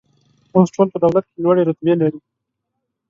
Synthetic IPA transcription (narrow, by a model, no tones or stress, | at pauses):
mãsʈolpəd̪awlat̪̚kelwaɽeɾʊt̪belaɾi